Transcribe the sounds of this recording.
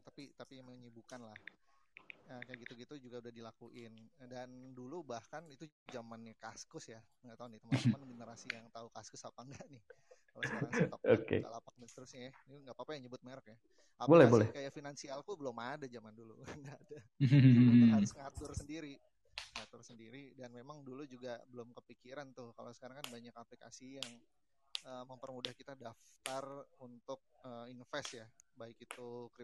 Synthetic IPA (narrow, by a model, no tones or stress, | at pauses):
t̪apit̪apiməɲəbukanlah | əkajaɡit̪uɡit̪ud͡ʒuɡaudahdilakuʔɪndandulubahkanit̪u | d͡ʒamanːikaskʊsja | ɡaʔt̪aunit̪əmmanməɡənəɾasijaŋt̪aukaskʊsapaŋɡaʔnɪhkalasaŋt̪aokḛa̰lapak̚məst̪əɾʊsɲajaniŋɡapapajaŋɲəbʊt̪̚meɾək̚ja | ʔabolɛhbolɛkajaʔfinansialkubəlomadad͡ʒamandulṵkanada | asəŋat̪ʊrsəndiɾi | ssəŋat̪ʊrsəndiɾidanmemaŋdulud͡ʒuɡabəlʊmkəpikiɾant̪ʊhka̰losə̥kaɾaŋkanbaɲakaplika̰sijaŋ | əməmpərmudahkit̪adaft̪arunt̪ʊk̚əminfɛsjabaɪkit̪ukɾɪ